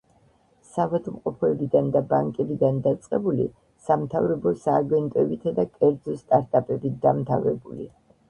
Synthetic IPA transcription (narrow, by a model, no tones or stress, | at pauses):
savɛd̪mqʼɔpʰɔɛbid̪and̪abaŋkʼɛbid̪and̪at̪sʼqʼɛbulḭ | samt̪ʰavɾɛbɔsaːɡɛnt̪ʼɔɛbit̪ʰad̪akʼɛɾd̪zɔst̪ʼaɾt̪ʼapʼɛbid̪amt̪ʰa̰vɾɛbulḭ